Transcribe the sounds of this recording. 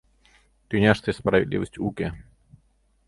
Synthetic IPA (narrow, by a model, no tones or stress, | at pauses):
t̪ʲinʲaʂt̪ɨspɾɐvʲɪ̰d̪lʲḭvəsʲtʲukʲe